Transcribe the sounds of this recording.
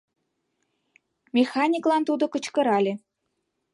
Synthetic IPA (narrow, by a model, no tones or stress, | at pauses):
mʲexɑnʲiklɑnt̪ud̪ŏkə̆t͡ɕkə̆ɾɑlʲe